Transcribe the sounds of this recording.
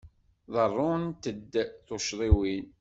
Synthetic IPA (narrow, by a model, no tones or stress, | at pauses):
ðˤərˤːʊnt̪əd̪ːθoʃðˤiwin